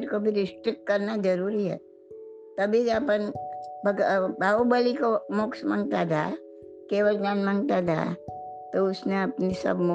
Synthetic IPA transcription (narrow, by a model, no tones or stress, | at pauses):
ʈkobʱiɾɪsʈɾɪk̚ʈkɐɾnad͡ʒɐɾuːɾiɦɛ̰ː | t̪ɐbʱiapənbəɡbʱaːobəlikomʊksmə̰̃ŋɡt̪at̪ʰa̰ | keːʋəɾd͡ʒaːnmə̃ŋɡt̪ad̪ʰa̰t̪oʊsneɐpnisɐ̰bm